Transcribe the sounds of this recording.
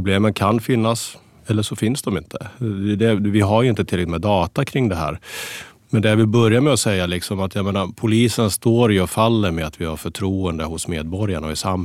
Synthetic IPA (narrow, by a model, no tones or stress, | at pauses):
bleːmənkʰanfɪnːas | ɛlːəʂɔfɪnsd̪ɔmɪ̰nt̪ʰə̥ɛd̪ɛvɪɦaɾjɵɪnt̪ət̪ʰɪlːɛmɛd̪ɑːt̪akʰɾɪŋːd̪ɛɦæ̰ːɾ | mɛnd̪ɛæɾvɪbœɾjaɾmɛɔsɛjːalɪksɔmat̪ʰjameːnapʰʊliːsənst̪oːɾjɵɔfalːəɾmɛat̪vɪhaɾfœʈʰɾuːənd̪əhʊsmeːd̪̚bɔɾjaɳaɔɪsam